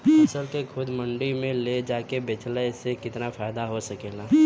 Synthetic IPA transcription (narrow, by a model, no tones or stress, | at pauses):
ɐsəlkekʰʊd̪mɐ̃ɳɖimẽled͡ʒaːkebet͡ʃlaɪsekɪt̪nafaːɪd̪aɦosɐkeːɡaː